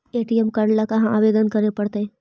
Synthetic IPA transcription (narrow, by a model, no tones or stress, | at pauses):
eːʈiɛmkɐɾlakaɦãaːʋeːd̪ənkɐɾepɐɽt̪eɦɛː